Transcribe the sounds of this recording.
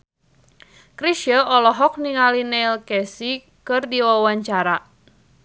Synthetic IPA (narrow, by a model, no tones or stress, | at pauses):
kɾisəʔɔlɔɦɔk̚niŋalinɛlkɛsi | kɨrdiwawaɲt͡ʃaɾa